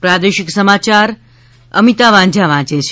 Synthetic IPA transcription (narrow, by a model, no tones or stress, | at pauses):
pɾad̪eʃiksəmat͡ʃaɾ | ə̰mit̪aʋãd͡ʒʱaʋãd͡ʒet͡ʃʰ